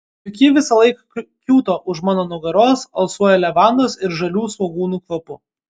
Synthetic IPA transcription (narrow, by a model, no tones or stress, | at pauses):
ʊkʲiːʋʲɪsɐlˠɐɪkɑkʲuːt̪oːʔʊʃmɑːnoːnʊɡɐɾoːsɐlˠsuɔjɛlʲɛʋɑˑnd̪osɪɾʒɐlʲuːsoːɡuːnuːkʋɐpʊ